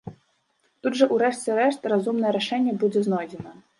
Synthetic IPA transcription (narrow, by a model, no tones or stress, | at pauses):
t̪udʐɐʔuɾɛʂt͡sʲɛɾɛʂt̪razumnɐjɛɾɛʂɛnʲːɐbud͡zʲɛznɔjd͡zʲɛnɐ